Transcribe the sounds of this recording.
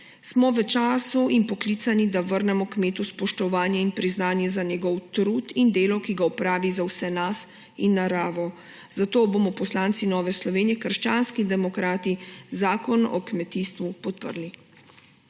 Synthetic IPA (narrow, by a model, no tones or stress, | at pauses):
smɔʋət͡ʃaːsuinpɔkliːt̪sanid̪aʋəɾnɛmɔkmeːt̪uspɔʃt̪ɔʋaːnjɛinpɾiznaːnjɛzanjɛɡɔwt̪ɾuːt̪ind̪eːlɔkiɡaɔpɾaːʋizawsɛnas | inːaɾaːʋɔ | z̥at̪oːbomɔpɔslaːnt̪sinɔːʋɛslɔʋeːnijɛkəɾʃt͡ʃanskid̪ɛmɔkɾaːt̪izaːkɔnɔ̰kmɛt̪iːst̪ʋupɔt̪̚pə̰ɾli